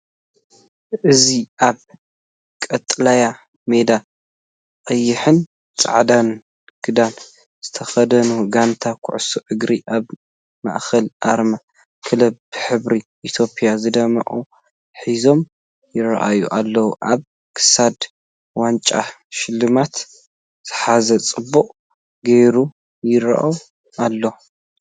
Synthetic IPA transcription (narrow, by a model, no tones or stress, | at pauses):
ʔɨziʔaβ | kʼɐt̪ʼːlaja | me̞d̪a | qʼɐjːɪħɨn | t͡sʼa̰ʕd̪an | ɡ̥ɨd̪an | z̥ɨt̪ʰɐxɐd̪ɐnuɡant̪ʰakʰʊ̰ʕsuʔɨɡɾiʔaβ | ma̰ʔxɐlʔa̰ɾma | kʰɨlɐbbɨħɨβɾiʔit̪ʰjo̞pʼjazɨd̪ɐmɐ̰ʔʼu | ħizo̞m | jɪɾɐ̰ʔa̰juʔalːɐwuʔaβ | kʰɨ̥sad̪ | want͡ʃʼa̰ | ʃɪlːɨmat̪ | z̥ɨħazɐt͡sʼɨbːuqʼ | ɡejɾu | jɪɾa̰ʔaw | ʔalːo